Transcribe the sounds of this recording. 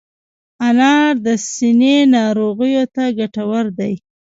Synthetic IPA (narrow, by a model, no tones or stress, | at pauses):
anɑɾd̪əsinenɑɾoɣəjot̪aɡaʈawəɾd̪aj